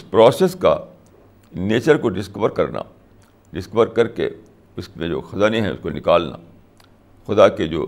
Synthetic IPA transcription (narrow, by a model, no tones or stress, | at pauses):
ɪspɾɔːseːska̰ | neːt͡ʃəɾkoɖɪskəʋəɾkɐɾna̰ | ɖɪskəʋəɾkɐɾkḛ | ʊsmẽd͡ʒo̰ːxɐzaːneɦɛ̃ʊ̰skonɪkaːlna̰ | xʊd̪aked͡ʒo̰ː